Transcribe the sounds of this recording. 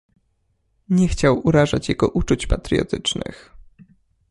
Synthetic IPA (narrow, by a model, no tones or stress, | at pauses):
ɲɛxt͡ɕawuɾaʐat͡ɕjaɡɔʔut͡ʂut͡ɕpat̪ɾijɔ̰t̪ɘt͡ʂnɘ̰x